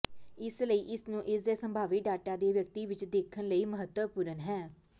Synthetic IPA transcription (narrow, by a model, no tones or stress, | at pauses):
ɪsləiːʔɪsnũːʔɪsd̪eːsəmbʱaːʋiɖaːʈaːd̪eːʋjəkt̪iːʋɪt͡ʃd̪eːkʰənləiːməɦət̪wəpuːɾənɦɛː